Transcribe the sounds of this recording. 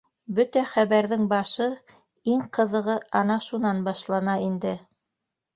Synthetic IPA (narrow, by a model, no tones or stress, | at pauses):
bɵt̪æχæβæɾðɘŋbɑʃɤ | iŋqɤ̆ðɤ̆ʁɤɑnɑʃunɑnbɑʃlˠɑnɑind̪ɘ